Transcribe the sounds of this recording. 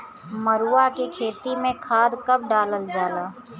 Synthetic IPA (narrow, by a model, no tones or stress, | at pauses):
məɾuːakekʰeːt̪imẽkʰaːd̪kɐb̚ɖaːləld͡ʒaːlaː